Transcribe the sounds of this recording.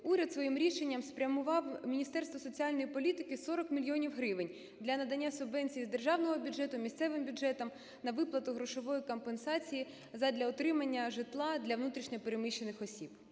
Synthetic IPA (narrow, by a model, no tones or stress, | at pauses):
uɾʲɐt̪sʋɔjimɾʲiʃenʲːɐmspɾʲɐmʊʋɑwmʲinʲist̪ɛrst̪ʋɔsɔt͡sʲiɑlʲnɔjipɔlʲit̪ɪkɪsɔɾɔkmʲilʲjiɔnʲiwɦɾɪʋɪnʲ | d̪lʲɐnɐd̪ɐnʲːasʊbʋɛnʲt͡sʲijizd̪e̞rʒɑwnɔɦɔbʲʊdd͡ʒɛt̪ʊmʲisʲt̪sɛʋɪmbʲʊdd͡ʒɛt̪ɔm | nɐʋɪplˠɐt̪ʊɦɾɔʃɔʋɔjikɔmpensɑt͡sʲiji | zɐd̪ʲlʲɐɔt̪ɾɪmɐnʲːɐʒɪt̪lˠɑd̪lʲɐʋnut̪ɾʲiʃnʲɐpeɾemɪʃːenɪxɔsʲib